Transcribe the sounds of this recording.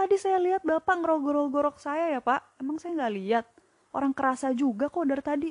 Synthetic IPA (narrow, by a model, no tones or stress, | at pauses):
t̪adisajaliɦat̪̚bapaŋəɾɔɡɔɾɔɡɔɾɔk̚sajajapaʔemaŋsajaŋɡaʔliat̪̚ | ʔo̰ɾaŋkəɾasad͡ʒuɡakodart̪adi